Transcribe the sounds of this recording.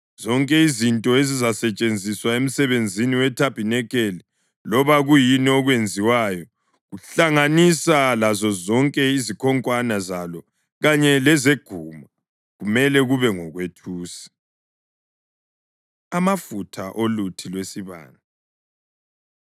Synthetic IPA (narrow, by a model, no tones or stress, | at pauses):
z̥ɔŋkʼɛizintʼɔezizasɛt͡ʃʼend͡zʱiswaem̩sɛβend͡zʱiniwɛtʰab̥ʱinɛkeli | lɔβaɣujiniɔɣwend͡zʱiwaːjɔ | ɣuɬaŋanisalazɔzɔŋkʼɛizikʰɔŋkʼwanazalɔ | ɣaɲɛlɛzeɡ̥ʱuma | ɣumɛlɛɣuβɛŋɔɣwetʰuːsi̥ | amafutʰaʔolutʰilwesiβa̰ːna